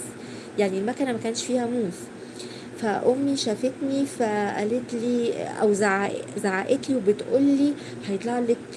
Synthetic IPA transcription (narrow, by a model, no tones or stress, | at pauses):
jaʕnilmækænæmækæːnʃfiːhæmuːf | fæʔomːiʃæːfet̪nifæʔæ̰let̪liːʔæ̰wzaʕaʔzaʕaʔet̪liwebet̪ʔolːiː | hɑjet̪ˤlɑʕlek